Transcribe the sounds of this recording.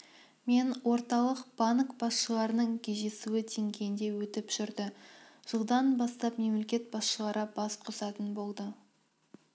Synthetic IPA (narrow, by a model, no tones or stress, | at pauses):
me̞nwo̞ɾt̪ɑlˠəqb̥ɑnkb̥ɑsʃəlˠɑɾənəɴkʲʰeʒe̞suwɪd̪ʰe̞ŋɡʲe̞jɪnd̪e̞wɵt̪ɪpʒ̥ʏɾd̪ɪʒ̥əlˠd̪ɑnbɑst̪ɑpme̞mle̞kʲe̞t̪̚bɑsʃəlˠɑɾəbɑsqʰʊsɑt̪ənbo̞lˠd̪ə